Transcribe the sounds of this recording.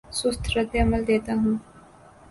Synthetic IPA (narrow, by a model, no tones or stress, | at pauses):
sʊst̪ʰɾəd̪jɐməld̪eːt̪aɦũː